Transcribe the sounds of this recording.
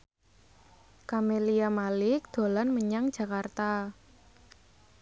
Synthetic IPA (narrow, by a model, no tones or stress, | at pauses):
kameliamalɪk̚d̪̥o̤lanməɲaŋ̥ʒ̥a̤kart̪a